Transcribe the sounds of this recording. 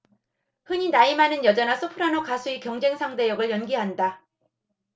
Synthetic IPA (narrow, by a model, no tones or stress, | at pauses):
hɯɲinaimanɯnjʌd͡ʑʌnasʰopʰɯɾanokasʰuikjʌŋd͡ʑe̞ŋsʰaŋde̞jʌɡɯɭjʌnɡiɦanda